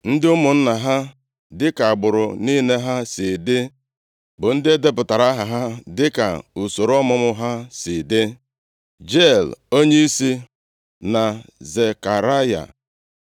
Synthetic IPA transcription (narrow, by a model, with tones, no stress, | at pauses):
n̩˦dɪ˦ʊ˦mʊ˨n̩˦na˨ɦa˦ | dɪ˦ka˨a˨ɡ͡bʊ˨ɾʊ˨ni˦ne˦ɦa˦si˨dɪ˦ | bʊ˨n̩˦dɪ˦e˦de˦pʊ˨ta˨ɾa˦ɦa˨ɦa˦dɪ˦ka̰˨u˨so˨ɾɔ˦mʊ˦mʊ˦ɦa˦si˨dɪ˦ | d͡ʒe˦˨lo˦ɲe˦i˦si˦ | na˨ze˨ka˨ɾa˦ja̰˨